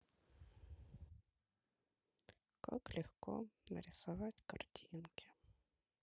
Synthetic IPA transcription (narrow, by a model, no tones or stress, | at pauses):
kɔ̰klʲixkɔnɐ̰ɾʲisʊʋɑtʲkɐrtʲʰinkʰɪ̥